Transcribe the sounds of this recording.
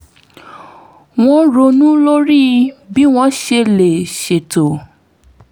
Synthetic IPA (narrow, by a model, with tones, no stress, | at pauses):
w̃ɔ̃˧ɾo˧nũ˦lo˦ɾi˦bi˦w̃ɔ̃˦ʃe˧le˨ʃe˨to˨